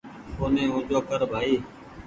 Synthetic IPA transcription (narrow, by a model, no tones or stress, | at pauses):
oːnẽːõːd͡ʒoːkəɾbʱaːiː